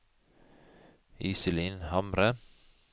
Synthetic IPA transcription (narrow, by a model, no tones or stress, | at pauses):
iːsɪliːnhɑmɾə